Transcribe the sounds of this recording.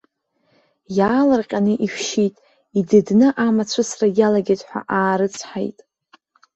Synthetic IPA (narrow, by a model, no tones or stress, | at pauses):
jaːlarqʲʼanɨʔiʃʷʃitʼ | idɨdnɨʔamat͡ɕʷʰɨsrajalaɡʲetʼħʷa̰ʔaːɾɨt͡sʰħa̰jtʼ